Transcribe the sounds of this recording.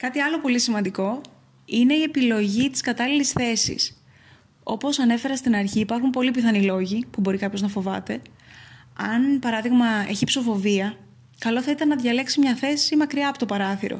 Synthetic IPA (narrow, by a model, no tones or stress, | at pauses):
kɐt̪iɐlo̞po̞lisimɐnd̪iko̞ | ine̞ie̞pilo̞ʝit̪i̥skɐt̪ɐlilisθe̞sḭs | o̞po̞sɐne̞fe̞ɾɐst̪inɐɾçiːpɐɾxumpo̞lipiθɐnilo̞ʝipubo̞ɾikɐpço̞znɐfo̞vɐ̰t̪e̞ | ɐnpɐɾɐðiɣmɐe̞çipso̞fo̞viɐ | kɐlo̞θɐit̪ɐnːɐðʝɐle̞ksimɲɐθe̞simɐkɾiɐːpo̞t̪o̞pɐɾɐθiɾo̞̰